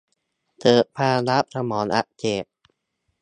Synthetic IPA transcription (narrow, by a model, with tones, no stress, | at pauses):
t̪ɤː˨˩ʔ̚pʰaː˧la˦˥p̚t̪ʰa˧mɔː˩˦nʔa̰˧˩ʔt͡ɕeː˨˩p̚